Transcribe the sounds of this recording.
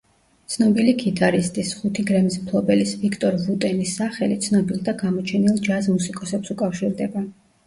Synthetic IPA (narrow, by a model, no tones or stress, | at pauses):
t̪sʰnɔbiliɡit̪ʰʼaɾist̪ʼisχut̪ʰiɡɾɛmismpʰlˠɔbɛlisvikʰt̪ʼɔɾvut̪ʼɛnisːaχɛlit̪sʰnɔbilˠd̪aɡamɔt͡ʃʰɛnilˠd͡ʒazmusikʼɔsɛpsukʼafʃiɾd̪ɛba